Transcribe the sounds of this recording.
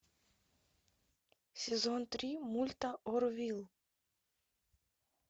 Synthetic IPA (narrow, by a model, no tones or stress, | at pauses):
sʲezont̪ɾʲimulʲt̪aʔoɾvʲilˠ